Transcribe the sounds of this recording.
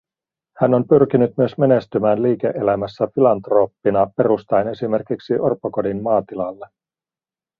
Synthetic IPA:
hæno̞mpyrk̟inyt̪myøsme̞ne̞st̪ymæːnliːke̞̰ʔelæmæsːæfilɑnt̪ro̞ːpːinɑpe̞ɾust̪ɑjne̞sime̞rkiksiʔorpːokodimmɑːt̪ilɑlːe

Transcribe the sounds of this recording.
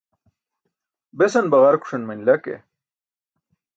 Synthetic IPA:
besɐnbɐʁɐɾkʰu̥ʂɐnmɐnlɐkḛ

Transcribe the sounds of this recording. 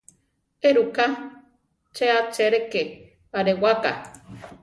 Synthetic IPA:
eɾuka | t͡ʃeat͡ʃeɾeke | aɾewaka̰

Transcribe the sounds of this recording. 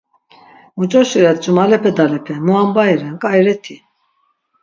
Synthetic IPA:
mut͡ʃʼɔʃiɾɛt̪̚d͡ʒʼumalɛpʰɛd̪alɛpʰɛmuambajɾɛnkʼajɾɛt̪ʰi

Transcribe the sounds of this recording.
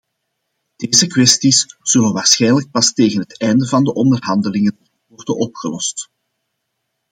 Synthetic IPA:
d̥eːzəkʋɛstisz̥ɵlənʋaːrsxɛjnlək̚pɑsteːɣənɦətɛjndəvɑndəʔɔndərɦɑndəlɪŋən | ʋɔrdənɔpxəlɔst

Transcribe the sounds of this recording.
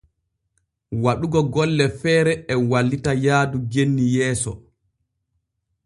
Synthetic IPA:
waɗuɡɔɡɔlːɛfɛːɾɛɛwalːitajaːdud͡ʒenːijɛːsɔ̰

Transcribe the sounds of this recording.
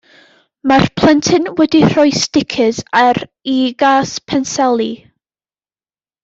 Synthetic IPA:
marpʰl̥ˠɛntʰɨnwɛdir̥ɔjstɪkʰɪzaɾ | iɡaːspʰɛnsɛlˠi

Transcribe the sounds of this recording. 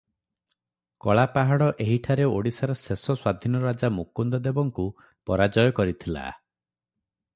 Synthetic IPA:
kɔɭapaɦaɽɔʔeɦiʈʰaɾeoɽisaɾɔsesɔswad̪ʱinɔɾad͡ʒamukund̪ɔd̪ebɔŋku | pɔɾad͡ʒɔjɔkɔɾit̪ʰila̰

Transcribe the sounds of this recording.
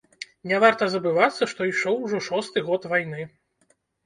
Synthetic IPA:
nʲɛvart̪ɐzɐbɨvat̪sːɐʂt̪ɔiʂɔwʐɔʂɔst̪ɨɣɔt̪vajnɨ

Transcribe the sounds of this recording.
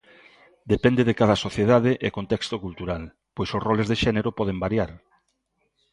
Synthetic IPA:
d̪epɛnd̪eðekaðɐsoθjeðaðeʔekont̪ɛkst̪okult̪uɾal | pojsosrɔlezðeʃɛneɾopɔð̞embaɾjaɾ

